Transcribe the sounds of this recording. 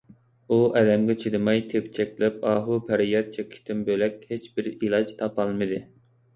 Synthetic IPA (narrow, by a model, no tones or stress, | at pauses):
uʔɛd̪ɛmɡʲɛt͡ʃʰid̪ɨmɑjt̪ʰept͡ʃʰɛkʲlɛp̚ɑːɦupʰæɾijɑt̪̚t͡ʃʰekʲʰɪ̥ʃt̪ɪnbølɛkʲhet͡ʃbɪɾilˠɑd͡ʒt̪ʰɑpɑlˠmɨd̪ɨ